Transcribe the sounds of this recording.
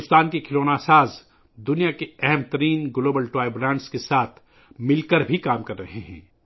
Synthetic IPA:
st̪aːnkekʰɪloːnaːsaːz | d̪ʊnijakeɛɦɛmt̪ɐɾiːnɡloːbəlʈɾaːɪblãːɳɖskesaːt̪ʰ | mɪlkəɾbʱikaːmkɐɾːɐɦeɦɛ̰̃ː

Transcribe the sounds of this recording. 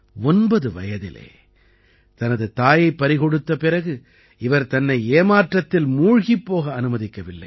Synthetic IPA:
ɔnbɐðɯʋɐ̰jɐðɪ̰lḛː | t̪ɐnɐðɯt̪aːjɐɪpːɐɾɪɣɔɽɯt̪ːɐpɪrɐɣɯ | ɪʋɐɾt̪ɐnːɐɪeːmaːʈrɐt̪ːɪlmuːɻɣipːoːɣɐːnɯmɐðɪkːɐʋɪlːɐ̰ɪ

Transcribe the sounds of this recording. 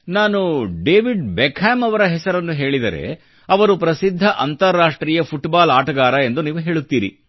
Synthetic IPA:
naːnuɖeːʋiɖbɛkʰaːmɐʋɐɾɐɦɛsɐɾɐnːuɦe̞ːɭid̪ɐɾe̞̰ | ɐʋɐɾupɾɐsid̪ʱːɐʔɐnt̪ɐɾːaːʂʈɾiːjɐpʰuʈbaːlaːʈɐɡaːɾɐe̞nd̪uniːʋuɦe̞ːɭut̪ːiːɾḭ

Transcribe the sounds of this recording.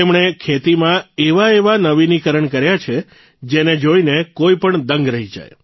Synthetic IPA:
emɳekʰet̪imãeʋaeʋanəʋinikəɾəɳkəɾjat͡ʃʰe | d͡ʒened͡ʒoinekoipəɳd̪əŋɡɾəɦid͡ʒa̰j

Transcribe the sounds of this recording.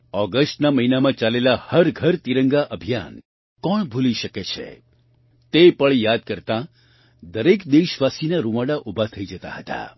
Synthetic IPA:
ɔɡəsʈnaməɦinamãt͡ʃalelahəɾɡʱəɾt̪iɾəŋɡaʔəbʱijan | kɔɳbʱuliʃəket͡ʃʰḛ | t̪epəɳjad̪̚kəɾt̪ã | d̪əɾekd̪eʃʋasinaɾuʋaɽaʔubʱat̪ʰəid͡ʒət̪a̰ɦət̪a̰

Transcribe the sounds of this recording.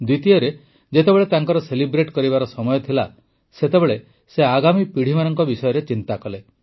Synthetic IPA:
d̪wit̪iɔɾe | d͡ʒet̪ebeɭet̪aŋkɔɾɔselibɾeʈkɔɾibaɾɔsɔmɔjɔt̪ʰila | set̪ebeɭe | seaɡamipiɽ̤ʱimanɔŋkɔbisɔjɔɾet͡ʃint̪akɔle

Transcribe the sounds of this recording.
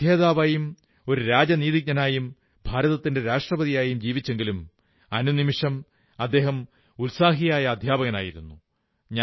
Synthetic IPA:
jeːðaːʋaːjum | o̞ɾuɾaːd͡ʑɐniːðik̚ɲɐnaːjum | bʱaːɾɐðɐt̪ːinde̞ɾaːʂʈrɐbɐðijaːjumd͡ʑiːʋit͡ɕːe̞ŋɡilum | ɐnunimiʂɐm | ɐd̪ːe̞ːɦɐm | ulsaːɦijaːjɐːd̪ʱjaːbɐɣɐna̰ːjiɾunːu | ɲa

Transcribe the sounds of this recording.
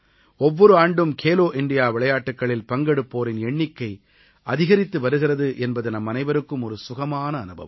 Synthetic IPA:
ɔʋːɔɾɯaːɳɖɯmkʰeːloːʔɪɳɖɪjaːʋɪɭɐjaːʈːɯkːɐɭɪlpɐŋɡɐɽɯpːoːɾɪnɛɳːɪkːɐɪ | ɐðɪɣɐɾɪt̪ːɯʋɐɾɯɣɪrɐðɯʔɛnbɐðɯnɐmːɐnɐɪʋɐɾɯkːɯmɔɾɯsʊɣɐmaːnɐːnɯbɐ̰ʋɐ

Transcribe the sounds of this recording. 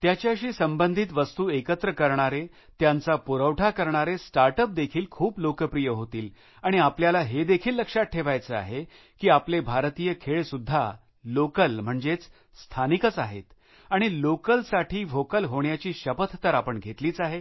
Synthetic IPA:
t̪jat͡ɕjaɕiːsəmbənd̪ʱit̪ʋəst̪uːekət̪ɾəkəɾɳaɾe | t̪jãnt͡sapuɾəʋʈʰakəɾɳaɾesʈaɾʈəp̚d̪ekʰiːlkʰuːblokəpɾijəɦot̪iːl | aɽ̃iapljalaɦed̪ekʰiːlːəkʂat̪̚ʈʰeʋajt͡səa̰ɦe | kiːaplebʱaɾt̪ijəkʰeɭsud̪ʱːa | lokəlm̤əɳd͡zet͡s | st̪ʰanikət͡saɦet̪ | aɽ̃ilokəlsaʈʰiːfokəlɦoɳjat͡ɕiːɕəpət̪ʰːəɾapəɳɡʱet̪liːt͡saɦe

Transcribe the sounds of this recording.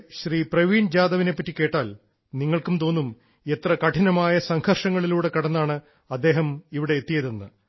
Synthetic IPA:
ɕriːprɐʋiːnd͡ʑaːðɐʋine̞pːɐtːike̞ːʈːaːl | niŋːɐɭkumt̪o̞ːnːum | e̞t̪rɐkɐʈʰɐnɐmaːjɐsɐŋhɐrʂɐŋːɐɭiluːɽe̞kɐɽɐnːaːɳɨ | ɐd̪ːe̞ːɦɐmiʋiɽe̞et̪ːijɐðenːɨ

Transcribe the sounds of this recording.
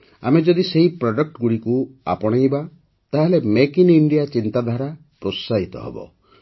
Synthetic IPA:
a̰med͡ʒɔd̪iseɦipɾɔɖɔk̚ʈɡuɽikua̰pɔɽ̃ejba | t̪aɦelemekiniɳɖijat͡ʃint̪ad̪ʱaɾa | pɾosaɦit̪ɔ̰ɦḛbɔ̰

